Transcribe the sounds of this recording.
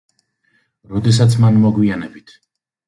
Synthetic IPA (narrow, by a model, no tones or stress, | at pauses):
ɾɔd̪ɛsat̪sʰmanmɔɡwianɛbit̪ʰ